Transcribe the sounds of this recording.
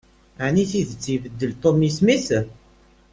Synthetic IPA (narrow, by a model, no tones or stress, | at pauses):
aʕniθiðət͡sːivəd̪ːəlt̪ˤomismis